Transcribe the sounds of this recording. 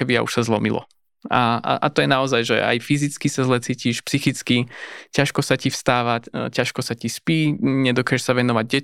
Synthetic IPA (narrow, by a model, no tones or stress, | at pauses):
ɛbia̰ṵʃsazlˠɔmilɔ̰ | aa̰ʔa̰t̪ɔjɛnaɔzajʒɛ̰a̰jfizit͡skisazlɛt͡siːciʃpsixit͡skicaʃkɔsacifst̪aːʋacaʃkɔsacispiːɲɛd̪ɔkaːʒɛʃsaʋɛnɔʋaɟ̚ɟɛ